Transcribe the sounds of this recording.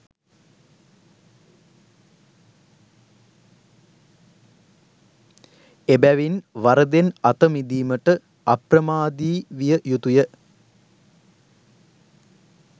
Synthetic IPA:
ebæʋinʋɐɾɐd̪enɐt̪ɐmid̪iːmɐʈːɨ | ɐprɐmaːd̪iːʋijəjut̪ujə

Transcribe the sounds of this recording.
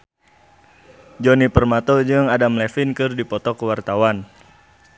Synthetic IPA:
d͡ʒɔnipərmat̪ɔd͡ʒɨŋadamlɛfinkɨrdipɔt̪ɔkəwart̪awan

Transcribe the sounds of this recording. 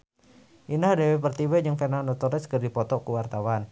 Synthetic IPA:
ʔinahdewepərt̪iweɲd͡ʒɨŋfenanɔt̪ɔɾɪskərdipɔt̪ɔkuwart̪awan

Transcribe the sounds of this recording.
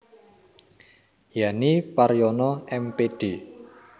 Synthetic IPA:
janipaɾjɔnɔɛmpeɖ̥e̤

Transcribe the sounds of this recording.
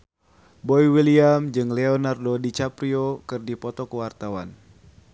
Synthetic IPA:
bɔiwiliamd͡ʒɨŋleɔnardodit͡ʃapɾiokɨrdipɔt̪ɔkəwart̪awan

